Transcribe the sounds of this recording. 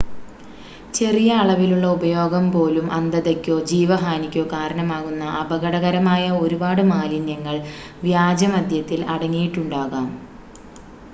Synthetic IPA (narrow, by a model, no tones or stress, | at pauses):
t͡ɕe̞rijɐːɭɐʋiluɭːɐubɐjo̞ːɡɐmpo̞ːlumʔɐnd̪ɐðekʲːo̞ːd͡ʑiːʋɐɦaːnikʲːo̞ːkaːɾɐɳɐmaːɣunːɐʔɐbɐɣɐɽɐɣɐɾɐmaːjɐoɾubaːɽɨmaːlinɐŋːɐɭ | ʋjaːd͡ʑɐmɐd̪ʱjɐt̪ːilɐɽɐŋːijiʈːuɳɖaːɣaːm